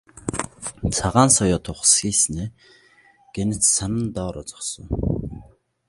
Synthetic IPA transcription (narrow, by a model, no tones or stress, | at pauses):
t͡sʰaʁaːnsɔjɔːt̪ʰʊχsxiːsneː | ɡ̥enɘ̆t͡ssanə̆nt̪ɔːɾɔ̰t͡sɔ̥χsɞ̰̆ŋ